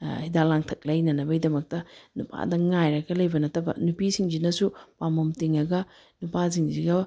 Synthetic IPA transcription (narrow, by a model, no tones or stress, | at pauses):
hidalaŋtʰɐk̚lɐjnɐnɐbɐidɐmɐk̚tɐnupʰa̰dɐŋajɾɐɡɐlɐjbɐnɐtɐbɐ̰nupisiŋd͡ʒinɐsupamomtiŋɐɡɐ | nupas̬iŋziɡɐ